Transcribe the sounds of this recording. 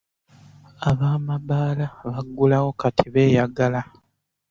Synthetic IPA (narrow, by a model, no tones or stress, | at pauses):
aβaːmabaːlaβaɡːulawo̞katʰiβe̞ːjaɡala